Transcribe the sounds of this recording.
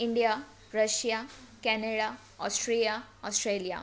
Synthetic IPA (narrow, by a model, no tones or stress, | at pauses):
iɳɖija | ɾəɕjakɛneɽa | ɔsʈɾeljaɔsʈɾelija̰